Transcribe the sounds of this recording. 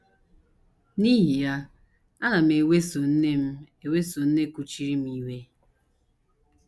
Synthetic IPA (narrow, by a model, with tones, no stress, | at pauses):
ni˦ɦi˨ja˦ | a˦na˨m̩˨e˨we˦so˨n̩˦ne˦m̩˦ | e˨we˦so˨n̩˦ne˦ku˦t͡ʃi˦ɾi˦m̩˦i˦we˦